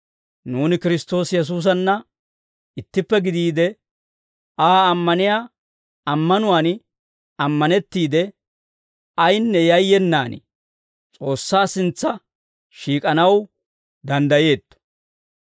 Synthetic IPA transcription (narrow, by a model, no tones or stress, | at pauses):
nuːnɪkɪɾɪst̪o̞ːsjɛs̬uːs̬ɐnːɐ | ɪt̪ːɪpːɛɡɪd̪iːd̪ɛ | aːmːɐnɪjaː | ɐmːɐnʊwaːn | ɐmːɐnɛt̪ːiːd̪ɛ | ɐjnːɛjɐjːɛnːaːnɪ̰ | t͡sʼo̞ːsːaːsɪnt͡sːɐ | ʃiːkʼɐnɐw | d̪ɐnd̪ɐje̞ːt̪ːɔ̥